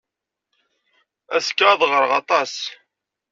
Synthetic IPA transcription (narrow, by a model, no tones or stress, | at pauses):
æskːaðˤʁəɾʁɑt̪ˤɑs